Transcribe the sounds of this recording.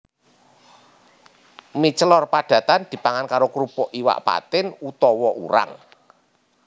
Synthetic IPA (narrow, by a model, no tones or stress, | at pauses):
mit͡ʃəlɔrpaɖ̪̥ä̤t̪and̪̥i̤paŋankaɾokɾupɔʔiwa̰ʔpa̰t̪ɪnut̪ɔwɔʔṵɾa̰ŋ